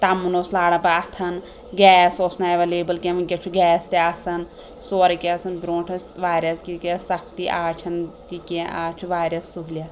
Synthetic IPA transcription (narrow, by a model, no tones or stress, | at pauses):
t̪ɐmːunoːslaːɽɐpɐɐt̪ʰɐn | ɡɛːsoːsnaeʋɐleːbɐlkemɐnkʲet͡ʃʰuɡɛːst̪eɐsɐn | soːɾɐkeɐsɐnbɾõːʈʰɐsʋaːɾʲɐskikessɐk̚t̪iʔaːt͡ʃʰɐnt̪ikẽʔaːt͡ʃʰuʋaːɾʲɐsːuɦlʲa